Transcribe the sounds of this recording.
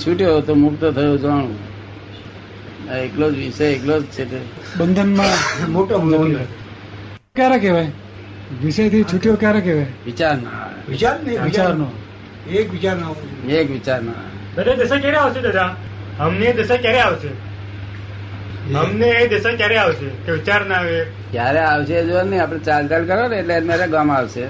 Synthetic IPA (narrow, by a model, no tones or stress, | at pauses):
t͡ʃʰuʈijot̪omʊk̚t̪ət̪ʰəjod͡ʒəɳ̃ | eklod͡ʒʋisəjeklod͡ʒt͡ʃʰet̪e | bənd̪ʱənmãmoʈo | kjaɾekeʋaj | ʋiʃəjt̪ʰit͡ʃʰuʈijokjaɾekeʋajʋɪt͡ʃaɾna̰ʋit͡ʃaɾnit͡ʃaɾno | ekʋit͡ʃaɾnaekʋit͡ʃaɾno̰ebəɾed̪əʃakjaɾeaʋʃed̪əd̪a | ɦəmneːd̪əsakjaɾeaʋʃe | ɦəmneːd̪əsakjaɾeaʋʃek̪eʋit͡ʃaɾnəaʋe | kjaɾeaʋʃeːd͡ʒoaɾnəĩap̬ɽ̃et͡ʃalt͡ʃalkəɾʋaneːʈleːmaɾeɡamaʋʃe